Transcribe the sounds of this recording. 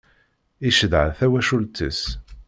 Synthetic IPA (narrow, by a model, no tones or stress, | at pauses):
iʃəðʕθæwæʃult͡s̪ːəs